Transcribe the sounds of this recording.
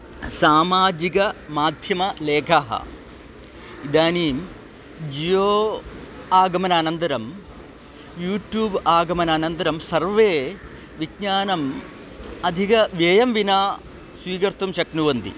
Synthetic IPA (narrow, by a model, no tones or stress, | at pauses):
saːmaːd͡ʒikɐmaːd̪ʱjɐmɐleːkʰaɦɐ̰ | id̪aːniːm | d͡ʒijoː | aːɡɐmɐnaːnɐnd̪ɐɾɐm | juːʈjuːbaːɡɐmɐnaːnɐnd̪ɐɾɐmsɐɾʋeː | ʋiɡɲaːnɐm | ɐd̪ʱikɐʋeːjɐmʋinaː | sʋiːkɐɾt̪umʃɐknuʋɐnd̪ḭ